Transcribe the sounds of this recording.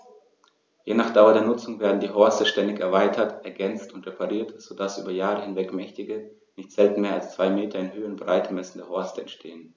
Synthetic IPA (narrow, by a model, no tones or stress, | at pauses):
jeːnaːχd̥aʊɐdeːɐnʊt͡sʊŋveːɐdn̩diːɦɔɐstəʃtɛndɪçɛɐvaɪtʰɐtʔɛɐɡɛnt͡stʊntʁ̥epʰaʁiːɐtz̥oːdasʔy̰ːbɐjaːʁəhɪnvɛkmɛçtɪɡə | nɪçtz̥ɛltn̩meːɐalst͡sv̥aɪmeːtʰɐɪnhøːənbʁaɪtʰəmɛsn̩deːɐhɔɐstəɛntʃtʰeːən